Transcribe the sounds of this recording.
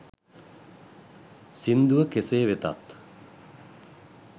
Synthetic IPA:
sind̪uʋəkeseːʋet̪a̰t̪

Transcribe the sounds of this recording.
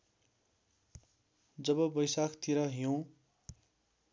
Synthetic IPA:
d͡zʌbʌbʌjsakʰt̪iɾʌɦijõ

